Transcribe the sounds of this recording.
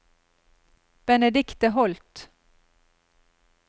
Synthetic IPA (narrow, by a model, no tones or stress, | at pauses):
b̥ɛnɛd̪ɪkt̪əɦɔlt̪